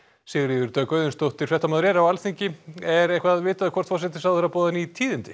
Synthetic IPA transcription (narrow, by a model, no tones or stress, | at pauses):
sɪɣɾiðʏɾt̪œːkœːɥðʏnst̪owht̪ɪɾ̥fɾɛht̪amaðɾɛːɾawalθiɲcɪɛɾehkvaðvɪːt̪aðɪkʰvɔr̥t̪fɔsɛt̪̬ɪsaðɛɾapɔːðanit̪ʰiːðɪnt̪ɪ